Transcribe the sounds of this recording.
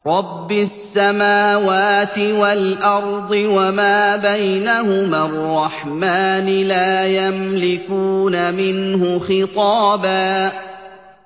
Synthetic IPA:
ɾˤɑbːɪsːamaːwaːt̪ɪwalʔɑɾˤd̪ˤɨwamaːbajnahʊmarˤːɑħmaːnɪlaːjamlɪkuːnamɪnhʊxɪt̪ˤɑːbaː

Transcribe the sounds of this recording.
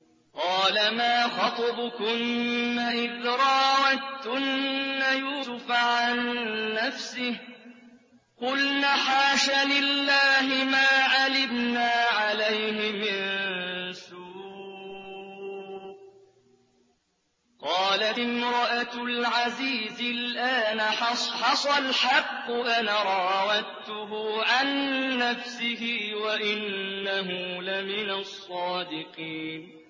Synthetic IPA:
qɑːlamaːxɑt̪ˤɑbʊkʊmːaʔɪðɾˤɑːwat̪ːʊnːajuːsʊfaʕanːafsɪh | qʊlnaːħaːʃalɪlːaːɦɪmaːʕalɪmnaːʕalajhɪmɪn | suː | qɑːlaɪmɾˤɑʔalʕaziːzɪlʔaːnaħɑsˤɑlħɑqːʊʔanaɾˤɑwat̪ʊɦʊʕanːafsɪhɪwaʔɪnːaɦʊlɪmɪnasˤːɑːd̪ɪqiːn

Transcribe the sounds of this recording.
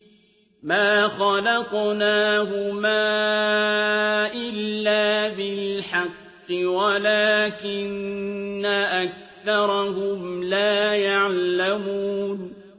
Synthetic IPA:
maːxɑlɑqnaːɦʊmaː | ʔɪlːaːbɪlħɑqːɨwalaːkɪnː | aʔak̚ | θɑɾˤɑɦʊmlaːjaʕlamuːn

